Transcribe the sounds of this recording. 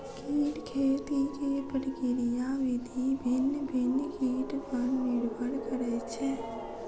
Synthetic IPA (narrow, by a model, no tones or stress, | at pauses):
kiːʈkʰeːt̪ikeːpəʈkɪɾijaʋɪd̪ʱibʱɪnːbʱɪnːkiːʈpəɾmɪɽbəɽkəɾɛt͡ʃʰeː